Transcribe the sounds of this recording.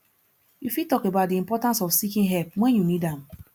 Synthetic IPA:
jufitɔkebadɪĩmpɔtãnsɔfsikĩnɦɛlp̚mɛ̃njunidam

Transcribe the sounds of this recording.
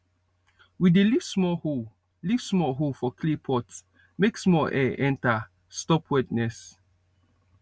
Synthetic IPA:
widelivsmɔho | liv̥smɔɦofɔkʰlipʰɔt | meksmɔlʔɛʔɛ̃nta | stɔpʰwɛtnɛs

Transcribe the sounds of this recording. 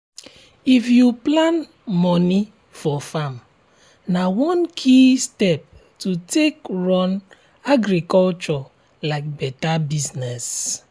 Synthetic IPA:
ifjuplãn | mɔni | fɔfam | nawɔ̃nkʰistɛp̚ | tutekɹɔ̃n | aɡɾikɔlt͡ʃɔ | laɪk̚bɛtabiznɛs

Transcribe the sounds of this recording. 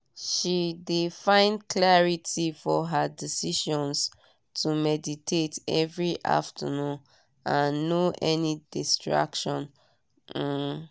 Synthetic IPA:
ʃidefãɪ̃ndklɛɹitʰifɔɦadisiʃɔ̃ns | tʰumɛditʰetɛvɹiʔa̰ftʰə̰nũn | ãnːoʔɛnidistɹa̰kʃɔ̃n̩

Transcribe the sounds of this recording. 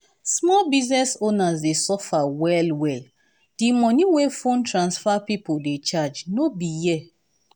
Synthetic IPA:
smɔlbiznɛsonazdesɔfawɛlwɛl | d̥imɔniwefõntɹãnsfapipoldet͡ʃad͡ʒnobijɛ

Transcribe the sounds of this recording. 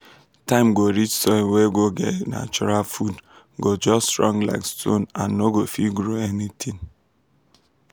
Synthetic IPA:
tãɪ̃mɡoɾit͡ʃsɔweɡoɡḛna̰t͡ʃɔɾalfud | ɡod͡ʒɔsɹɔ̃ŋla̰ɪkstʰõnãnːoɡofiɡɾoenitʰĩŋ

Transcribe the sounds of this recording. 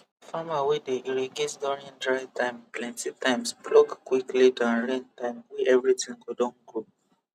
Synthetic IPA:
famawedeʔiɹeɡetdɔɹĩndɹaɪtʰãɪ̃mplɛ̃ntitʰãɪ̃msplɔkkwiklidãnɹẽntãɪ̃mwɛʔɛvɹitĩŋɡodɔ̃nɡɹo

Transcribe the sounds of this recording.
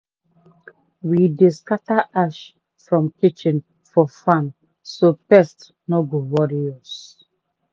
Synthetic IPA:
wideskataʔaʃ | fɹɔ̃mkit͡ʃĩn | fɔfãn | sopɛst | nɔɡowɔɾiɔs

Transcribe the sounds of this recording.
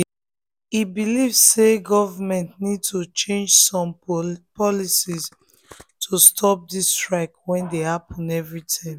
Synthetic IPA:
ibilivsseɡɔvamɛ̃ntnid̚tut͡ʃẽnd͡ʒsɔ̃mpɔlisis | tʰustʰɔp̚distɹaɪkwɛ̃ndehapʰɔ̃nɛvɹitʰãɪ̃m

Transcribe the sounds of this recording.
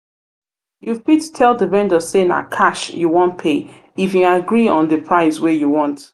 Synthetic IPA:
juvbittʰɛlˠdəvɛ̃ndəzsena̰kʰaʃjuwɔ̃nt̚pʰe | ifjuaɡɹiɔ̃nðəpʰɹaɪswejuwɔ̃nt

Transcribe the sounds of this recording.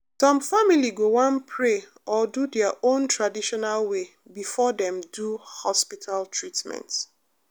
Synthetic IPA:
tɔ̃mfamiliɡowãnpʰɹe | ʔɔdudɛaʔõntɹadiʃɔnalwe | bifɔdɛ̃mduhɔspitʰaltʰɹitmɛ̰̃nt

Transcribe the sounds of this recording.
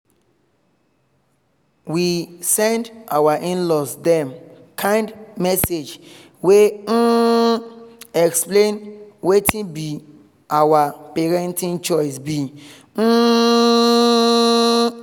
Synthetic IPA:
wisɛ̃ndawaʔĩnlɔsdɛ̃mkʰãj̃ndmɛsed͡ʒ | wen̩ | ɛksplẽnwetĩbi | awapeɹɛ̃ntĩnt͡ʃɔjsbi | n̩

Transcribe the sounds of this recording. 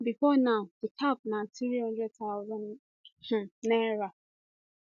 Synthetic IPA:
bifɔnaʊd̥ikʰap̚naθɾihʌ̃ndɹɛd̚taʊzãn | h̩nɛɹa

